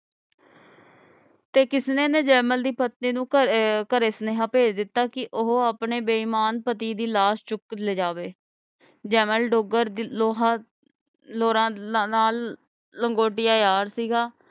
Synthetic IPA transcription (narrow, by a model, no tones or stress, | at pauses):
t̪eːkɪsnẽːneːd͡ʒɛːməld̪iːpət̪niːnũːəkəɾeːsneːɦãːpeːd͡ʒd̪ɪt̪ːaːkɪʔʊɦoaːpɳeːbeːimaːnpət̪iːd̪iːlaːst͡ʃʊk̪ːleːd͡ʒaːʋeː | d͡ʒɛːməlɖoɡəɾloːɦaː | loːɾãːnaːlː | əŋɡoːʈɪjaːjaːɾsiːɡaː